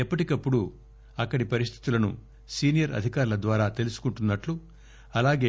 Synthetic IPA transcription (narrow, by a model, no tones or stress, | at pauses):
ɛpːɐʈikɐpːuɽu | ɐkːɐɽipɐɾist̪ʰi̥t̪ulɐnṵ | siːnijɐɾɐ̰d̪ʱikaːɾulɐd̪ʋaːɾaːt̪e̞lusu̥kuɳʈunːɐʈlu | ɐlaːɡe̞ː